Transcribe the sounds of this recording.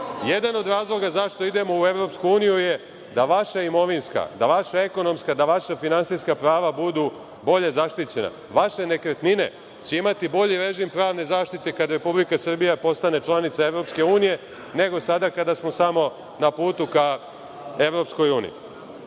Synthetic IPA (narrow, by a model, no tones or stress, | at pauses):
je̞d̪ano̞d̪ɾaːzlˠo̞ɡazaʃt̪o̞id̪e̞mo̞ue̞ʋɾo̞pskuuːnijuje̞ | d̪aʋaʃaimo̞ʋinska̰d̪aʋaʃae̞ko̞no̞mskad̪aʋaʃafinansiskapɾaːʋabud̪u | bo̞ʎe̞zaʃt̪it͡ɕe̞na̰ | ʋaʃe̞ne̞kɾet̪nine̞̰ | t͡ɕeimat̪ibo̞ʎiɾe̞ʒimpɾaːʋne̞zaːʃt̪it̪e̞kad̪ɾe̞publikasr̩bijapo̞st̪ane̞t͡ʃlˠanit̪sae̞ʋɾo̞pske̞uːnije̞ | ne̞ɡo̞sad̪akad̪asmo̞samo̞ | napuːt̪uka | e̞ʋɾo̞psko̞juːnḭḭ